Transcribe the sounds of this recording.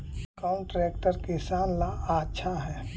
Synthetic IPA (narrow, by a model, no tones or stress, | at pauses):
kaʊ̃ɳʈɾɛːk̚ʈəɾkisaːnlaaːtːʃʰaɦɛː